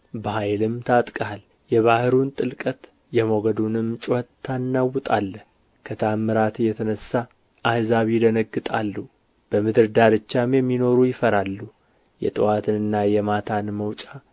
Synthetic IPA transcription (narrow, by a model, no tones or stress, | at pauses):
bəhajlɨmt̪ʰat̪ʼkʼal | jɛβahɨɾunt̪ʼɨlkʼət̪ | jɛmoɡəd̪unɨmːt͡ʃʼohət̪ʰːanːawːɨt̪ʼalːə | kʰət̪ʰamːɨɾat̪ɨjːɛt̪ʰənəsa | ʔahzaβid̪ənəɡːɨt̪ʼalːu | b̥əmɨd̪ɨɾd̪aɾɨt͡ʃːamjɛmːino̞ɾujɪfəɾalːu | jɛ̰t̪ʼɨwat̪ʰɨnɨnːajɛmat̪ʰanməwt͡ʃʼa